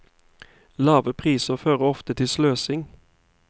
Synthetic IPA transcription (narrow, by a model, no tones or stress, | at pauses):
lɑːʋəpʰʁiːsəføːʁəɔft̪ət̪ʰɪsløːsɪŋ